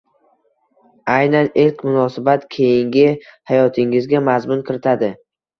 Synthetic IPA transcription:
ajnanɪlqmʊnɒsɪbat̪kʲʰe̞jɪŋɡʲɪhajɒt̪ʰɪŋɪzɡʲamazmʊnkʲʰɪɾɪt̪ʰad̪ɪ

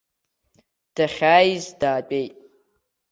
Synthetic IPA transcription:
d̥aχʲaːjzdaːpʼejtʼ

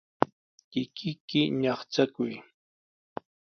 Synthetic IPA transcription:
kɪkʰɪkɪɲɑχt͡sakʊj

